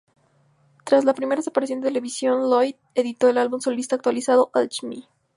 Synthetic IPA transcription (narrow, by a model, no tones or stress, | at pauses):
t̪ɾaslapɾimeɾaðes̬apaɾesjo̞nd̪t̪ele̞βisjo̞nlojð | e̞ðit̪o̞elalβumso̞list̪aːk̚t̪walisaðo̞ʔat͡ʃmḭ